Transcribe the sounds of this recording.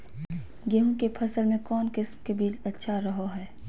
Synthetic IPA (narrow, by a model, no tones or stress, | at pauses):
ɡeɦõkepʰɐsəlmẽkɔːnkɪsmkebiːt͡ʃɐtːʃʰaɾɐɦoɦɛː